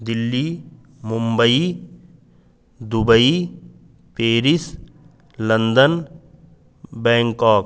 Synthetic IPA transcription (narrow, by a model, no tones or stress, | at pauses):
d̪ɪlːiː | mʊ̃mbəi | d̪ʊbəi | peːɾɪs | lɐ̃nd̪ən | bɛ̃ːŋkaːk